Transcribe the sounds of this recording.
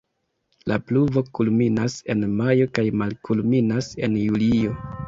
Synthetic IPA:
lʔa̰pluvo̞kulminase̞̰nmajo̞kajmalkulminase̞̰njulio̞

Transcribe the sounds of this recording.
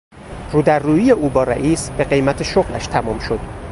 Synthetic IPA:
ruːd̪æɾːuːjijeʔuːbɒːɾæ̰ʔiːsb̥e̞ɢe̞jmæt̪ʰe̞ʃoɣlæ̰ʃt̪ʰæmɒːmʃo̞d̪̥

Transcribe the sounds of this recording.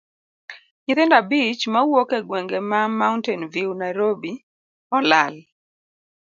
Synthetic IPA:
ɲɪt̪ɛndabit͡ʃmawokeɡwɛŋɡemamauntɛnviwnajɾobi | ɔlal

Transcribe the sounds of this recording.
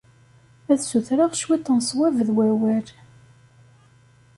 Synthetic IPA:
æðsuθɾaʁʃwit̪ˤːənsˤwævðwæwæɾ

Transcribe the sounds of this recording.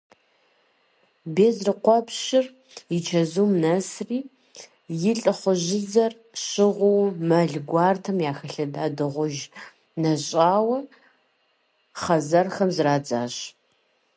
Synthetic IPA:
beːzrɨqʷɔpɕɪr | jɪt͡ʃʰɐzumnɐsriː | jɪɬʼɨχʷɔʑɪzɐr | ɕɪʁʷʊwmɐɮɡʷɑːrtʰɐmjaːxɐɬɐdaːdɨʁʷʊʒ | nɐɕʼaːwɐ | χɐzɐrxɐmzraːd͡zaːɕ

